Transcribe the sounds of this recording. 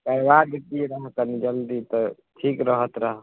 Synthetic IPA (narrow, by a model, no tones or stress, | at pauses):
kəjʋadet̪iɾəɦk̪ənid͡ʒəld̪it̪ɔ | ʈʰikɾəɦət̪ɾəɦ